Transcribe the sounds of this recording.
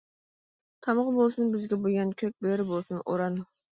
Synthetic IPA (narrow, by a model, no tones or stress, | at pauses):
t̪ʰɑmʁbolˠsɨnbɪzɡʲɛboɡʲɑnkʲʰøk̚ʲbeɾɪbolˠsunoɾɑn